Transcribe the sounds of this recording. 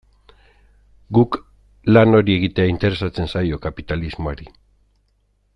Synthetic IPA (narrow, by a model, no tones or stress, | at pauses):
ɡuk | lano̞ɾie̞ɣit̪e̞aint̪e̞ɾe̞sat͡se̞nsajo̞kapit̪alizmoaɾi